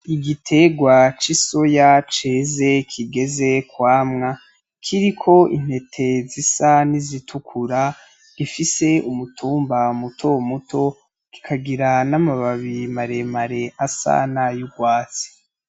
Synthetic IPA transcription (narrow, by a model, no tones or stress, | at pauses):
iɡitʰe̞ɡwat͡ʃiso̞jat͡ʃeːze̞kʰiɡe̞ze̞kwaːmŋa | kʰiɾikʰo̞ʔin̥he̞tʰe̞zisanizitʰukʰuɾa | ɡ̥ifise̞umutʰuːmbamutʰomutʰo̞ | ɡ̥i̥kʰaɡiɾanamaβaβimaɾe̞maɾe̞ʔasa̰najuɡwaːt͡si̥